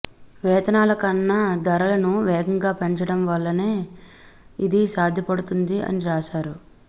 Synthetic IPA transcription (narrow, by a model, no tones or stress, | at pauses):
ʋɛːt̪ɐnaːlɐkɐnːad̪ɐɾɐlɐnuʋɛːɡɐŋɡaːpeɲt͡ʃɐɽɐmʋɐlːɐne̞ː | id̪isaːd̪ʱjɐpɐɽut̪und̪iɐ̰niɾaːʃaːɾu